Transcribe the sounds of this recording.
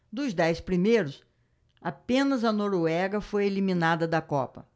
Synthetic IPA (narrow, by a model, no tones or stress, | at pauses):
d̪ʊzd̪ɛjspɾimejɾʊs | apẽnɐzɐnoɾoɛɡɐfojelimĩnad̪ɐd̪ɐkɔ̰pɐ̰